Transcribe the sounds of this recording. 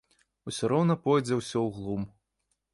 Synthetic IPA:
usʲɔɾɔwnɐpɔjd͡zʲɛwsʲɔwɣlˠum

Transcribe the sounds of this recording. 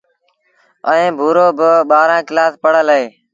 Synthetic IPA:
əẽːbʱuːɾoːbəɓaːɾãːkɪlaːspəɽ̤əleː

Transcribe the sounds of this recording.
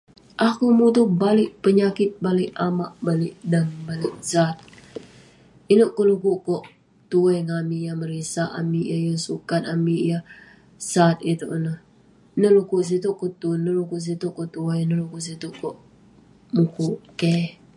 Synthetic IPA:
ʔakumut̪ubalɪʔ̚pəɲakɪt̪̚balɪʔamaʔbalɪʔdanbalɪʔzat̪̚ | inəʔkolukuʔkɔʔ | t̪uɛŋamijaməɾisaʔa̰mijajasukat̪̚amija | sat̪̚it̪uʔnəh | nəlukuʔs̬it̪uʔkoʔt̪unəlukuʔs̬it̪uʔkɔʔt̪uɛnəlukuʔs̬it̪uʔkɔʔ | mukuʔkɛ

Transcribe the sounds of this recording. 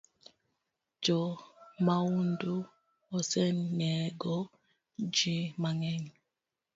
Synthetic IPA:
d͡ʒɔmawundu | ɔsɛnɲɛɡɔ | d͡ʒimaŋɛŋ

